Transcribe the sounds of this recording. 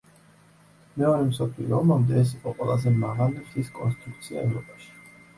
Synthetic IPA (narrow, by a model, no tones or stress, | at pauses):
mɛɔɾɛmsɔpʰlḭɔmamd̪ɛɛs̬iqʼɔqʼwɛlˠazɛmaʁaliiskʼɔnst̪ʼɾuk̚t̪sʰia̰ɛvɾɔpʼaʃi̥